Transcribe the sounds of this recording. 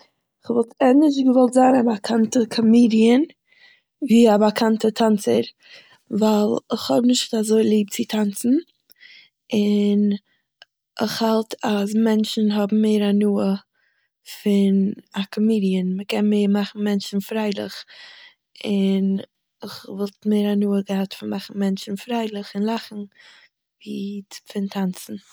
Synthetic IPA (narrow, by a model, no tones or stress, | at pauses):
ɪχvɔlˠtɛnɪʃɡəvɔlˠtzaːnabakʰantəkʰɔmiːdiən | viːabakʰantətʰant͡səɾ | valˠɪχhɔbnɪʃtazoɪlˠiːp̚t͡sɪtʰant͡sn̩ | ɪn | ʔɪχhalˠtʰasmɛnt͡ʃn̩ɦɔbm̩meɪɾanuːə | fɪnakʰɔmiːdiənməkɛnmeːɾmaχn̩mɛnt͡ʃn̩fɾaɪlˠɪχ | ɪn | ɪχvɔlˠtmeɪɾanuːəɡəhatfɪnmaχn̩mɛnt͡ʃn̩fɾaɪlˠɪχɪnlˠaχn̩ | vifɪntʰant͡sn̩